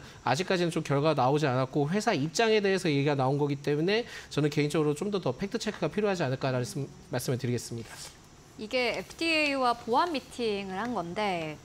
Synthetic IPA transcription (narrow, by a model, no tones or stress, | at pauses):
a̰d͡ʑik͈ad͡ʑinɯnt͡ɕ͈omkjʌɭɡwanaod͡ʑianak̚k͈oɸwe̞sʰaip̚t͡ɕ͈aŋe̞de̞esʰʌje̞ɡiɡanaonɡʌɡit͈e̞mune̞t͡ɕʌnɯnke̞int͡ɕʌɡɯɾot͡ɕ͈omdʌtʌpʰe̞k̚tʰɯt͡ɕʰe̞kʰɯɡapʰiɾjoɦad͡ʑianɯɭk͈aɾanɯɯ | maɭs͈ɯmɯɭtɯɾiɡe̞s͈ɯmɲida | iɡe̞epʰɯ̥dieiwapoamːitʰiŋɯɾhanɡʌnde̞